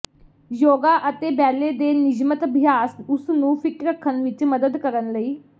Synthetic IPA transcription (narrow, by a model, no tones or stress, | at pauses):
joːɡaːʔət̪eːbɛːleːd̪eːnɪd͡ʒmət̪əbʱɪjaːsʊsnũːpʰɪkɾəkʰːənʋɪt͡ʃməd̪əd̪kəɾənləiː